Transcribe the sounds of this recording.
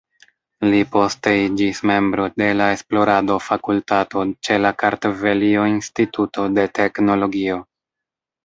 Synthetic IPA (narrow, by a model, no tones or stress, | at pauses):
lipo̞steid͡ʒisme̞mbɾo̞de̞lae̞splo̞ɾado̞fakultato̞t͡ʃe̞lakaɾtove̞lio̞instituto̞de̞tʰe̞kno̞lo̞ɡio̞